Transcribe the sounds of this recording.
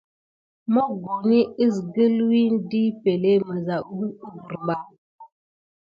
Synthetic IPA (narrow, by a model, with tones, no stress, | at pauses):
mɔ˦ɡo˨ni˦ɨ˦˨sɡə˦lwi˦n˦di˦pe˨le˦mə˨za˨ʔu˦u˦ɡu˨ɾɓa˦